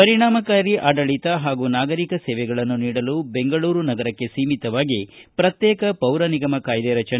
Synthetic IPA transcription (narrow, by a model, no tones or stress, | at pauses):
pɐɾiɳaːmɐkaːɾiʔaːɖɐɭit̪ɐɦaːɡuːnaːɡɐɾikɐseːʋɛɡɐɭɐnːuniːɽɐlube̞ŋɡɐɭuːɾunɐɡɐɾɐkːe̞siːmit̪ɐʋaːɡipɾɐt̪jɛːkɐpɐwɾɐniɡɐmɐkaːjd̪eɾɐt͡ʃɐn